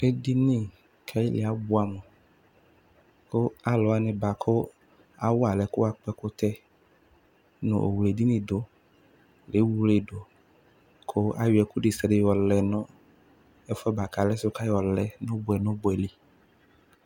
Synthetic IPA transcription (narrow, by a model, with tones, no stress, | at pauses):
e˦di˦nĩ˦˨ | kʰa˦i˦lḛ˨a˨bo˦a˨me˨ | ko˦a˨˦lɔ˨˦a˦nɪ̃˨ba˨kʰo˦ | a̰˨wo˦a˨lɛ˨kʊ˦a˨k͡pɛ˦ko˦t̪ɛ˦ | nʊ̰̃˨ʔo̰˨wle˨di˦nĩ˦˨do˨˦ | le˨˦wu˦le˨ɖo˨ | kʰo˦ʔa̰˨wi˨ɛ˨ku˦ɖi˨sɛ˨dɪ˨wɔ˨lɛ˨nɔ̃˦ | ɛ˦fɔ˦ba˨ka˨lɛ˦sʊ˦ka˦ɔ˨lɛ˨nʊ̃˦bʊ˨ɛ˨nʊ̃˦bʊ˨ɛ˨li˦